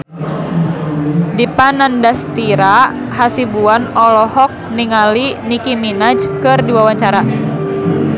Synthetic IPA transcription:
dipanandast̪iɾa | hasibuanɔlɔhɔk̚niŋalinikiminad͡ʒkɨrdiwawaɲt͡ʃaɾa

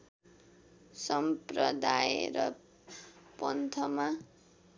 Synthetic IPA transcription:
sʌmprʌd̪ajḛɾʌ | pʌnt̪ʰʌma

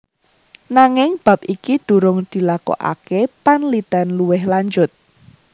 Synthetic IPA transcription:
naŋɪŋb̥a̤p̚ʔikid̪̥ṳɾʊŋd̪̥i̤lakɔ̰ʔa̰kepanlit̪anluwɪhlaɲd͡ʒʊt̪̚

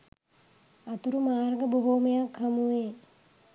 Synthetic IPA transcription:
at̪uɾumaːrɡəboɦoːmejakhamuʋeː

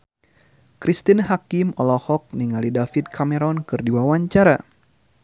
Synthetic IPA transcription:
kɾist̪inɦakimɔlɔhɔk̚niŋalidafit̪̚kʰamɛɾɔnkɨrdiwawaɲt͡ʃaɾa

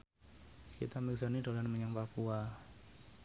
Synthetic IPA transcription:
kḭt̪amiksanidalanməɲaŋpapua

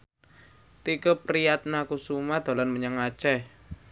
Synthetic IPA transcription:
t̪ikəpɾijat̪̚nakusumad̪̥a̤lanməɲaŋat͡ʃɛh

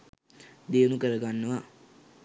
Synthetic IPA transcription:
d̪eənukəɾəɡanːəʋa

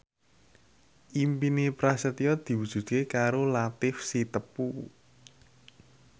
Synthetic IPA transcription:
ʔimpinepɾasət̪iɔd̪̥i̤wu̥ʒ̥ṳt̪̚kekaɾolat̪ɪfsit̪əpu

